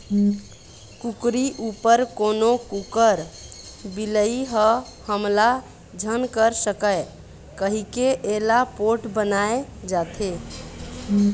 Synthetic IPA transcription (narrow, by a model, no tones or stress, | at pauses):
kukɾiʔupəɾkonokukəɾbiləiɦəhəmla | d͡ʒʱənkəɾsəkəj | kəɦikeʔelapoʈbənaed͡ʒat̪ʰe